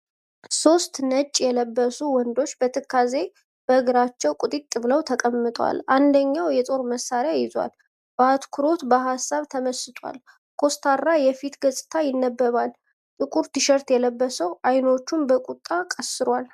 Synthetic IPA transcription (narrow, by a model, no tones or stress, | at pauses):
so̞st̪nət͡ʃʼːjɛləbːəsuwɔnd̪o̞t͡ʃːbət̪ʰɨkʰːaze̞ | b̥əɨɡɨɾat͡ʃːɛwkʼut̪ʼit̪ʼːɨβləwt̪ʰəkʼəmːɨt̪ʼwa̰lʔand̪əɲːawjɛt̪ʼo̞ɾməsːaɾjajɪzwa̰l | bat̪kʰuɾo̞t̪bəɦasːaβt̪ʰəməsɨt̪ʰwa̰l | kʰo̞st̪ʰarːajɛfit̪ɡəsʼɨ̥t̪ʰajɪnːəbːəβal | t̪ʼɨkʼuɾt̪ʰɨʃəɾt̪jɛləbːəsəwʔajno̞t͡ʃːumbəkʼut̪ʼːakʼəsɨɾwal